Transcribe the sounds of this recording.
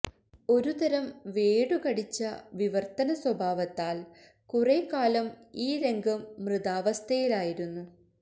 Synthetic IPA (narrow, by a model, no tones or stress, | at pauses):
o̞ɾut̪ɐɾɐmʋeːɽukɐɽit͡ɕːɐʋiʋɐrt̪ɐnɐswɐbʱaːʋɐt̪ːaːl | kureːkːaːlɐmiːɾe̞ŋɡʱɐmːrɨðaːʋɐst̪ʰɐjilaːjiɾunːu